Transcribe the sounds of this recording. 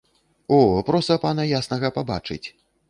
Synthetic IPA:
ɔpɾɔst̪ɐpanɐjasnɐɣɐpaba̰t͡ʂɨ̰t͡sʲ

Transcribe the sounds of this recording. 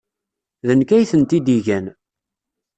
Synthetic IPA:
ðənkæjθənt̪id̪iʝæn

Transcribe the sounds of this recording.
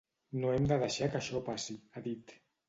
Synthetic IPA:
noemd̪aðaʃakaʃɔpasiaðit̪

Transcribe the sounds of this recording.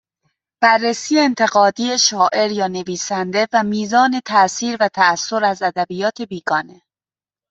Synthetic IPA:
b̥ærːesiːeːnt̪ʰe̞ɣɒːd̪iːeʃɒːʔe̞ɾjɒːne̞viːsænd̪e̞væmiːzɒːne̞t̪ʰæsiːɾvæt̪ʰæːsːo̞ɾæzæd̪æbijɒːt̪ʰebiːɡɒːne̞

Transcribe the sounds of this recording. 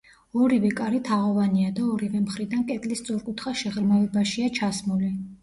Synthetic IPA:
ɔɾivɛkʼaɾit̪ʰaʁɔvaniad̪aɔɾivɛmχɾid̪ankʼɛt̪ʼlist̪sʼɔɾkʼut̪ʰχaʃɛʁɾmavɛbaʃiat͡ʃʰasmuli

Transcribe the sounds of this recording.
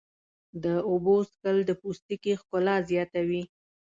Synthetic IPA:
d̪əoboskəld̪əpust̪ikixkʊlɑzjɑt̪awi

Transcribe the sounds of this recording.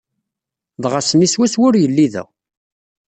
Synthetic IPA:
ðˤʁasəniswæswʊɾjəlːiðæ̰w

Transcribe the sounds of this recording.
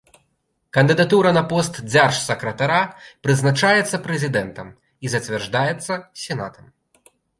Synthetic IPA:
kɐnd̪ɨd̪at̪uɾɐnɐpɔst̪d͡zʲarʂsɐkɾɐt̪aɾapɾɨznat͡ʂajɛt̪sːɐpɾɛzʲid̪ɛnt̪ɐm | izɐt͡sʲvʲɛrʐd̪ajɛt̪sːɐsʲɛna̰t̪ɐm

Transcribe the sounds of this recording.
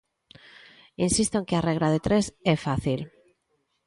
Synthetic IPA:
insist̪oeŋkeareɣ̞ɾaðet̪ɾesefaθil

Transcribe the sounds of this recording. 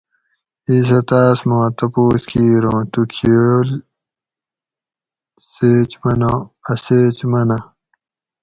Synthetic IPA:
iːs̬ɐt̪aːsmõːt̪ɐpoːskʰiːɾõːt̪ukʰiol | seːt͡ɕmɐnõːɐseːt͡ɕmɐnɐ

